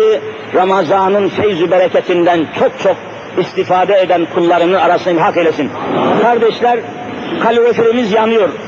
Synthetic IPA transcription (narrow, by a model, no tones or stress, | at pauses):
i | ɾamazanɯnfejzybɛɾɛcʰɛt̪ʰind̪ænt͡ʃʰok̚t͡ʃʰok | ist̪ifaːd̪ɛed̪ænkʰulˠːɑɾɯnɯnaɾasɯnʲhakelʲɛsinkʰaɾd̪ɛʃlʲæɾ | kʰalʲoɾefeɾimizjanɯjoɾ